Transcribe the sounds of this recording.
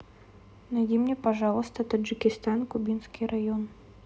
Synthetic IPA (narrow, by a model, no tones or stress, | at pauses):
najd̪ʲimnʲɛpaʐalˠəst̪ɐt̪ɐʐɨkʲɪst̪ankʊbʲinskʲirajɔn